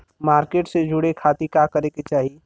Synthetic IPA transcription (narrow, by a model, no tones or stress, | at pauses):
maːɾkeːʈsed͡ʒʊɽekʰaːt̪ikakəɾeket͡ʃaːɦi